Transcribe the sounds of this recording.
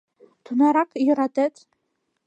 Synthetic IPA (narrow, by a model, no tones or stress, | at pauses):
tʰunaɾakʼʰiratʼetʰʼ